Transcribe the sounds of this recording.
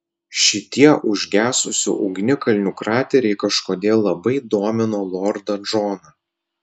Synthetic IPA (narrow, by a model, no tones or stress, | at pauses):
ʃʲɪt̪ʲiɛʔʊʒʲɡʲæːsʊsʲʊ̰ʔʊɡʲnʲɪkɐlʲnʲukɾɑːt̪ʲɛɾʲɛɪkɐʃkoːd̪ʲeːlˠːɐbɐɪd̪oːmʲɪnoːlˠɔːɾd̪ɐd͡ʒɔːnɐ